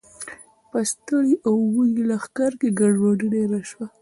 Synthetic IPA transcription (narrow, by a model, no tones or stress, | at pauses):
pəst̪əɽiʔawwujilaxkaɾkeɡaɖwɑɖiɖeɾaʃwa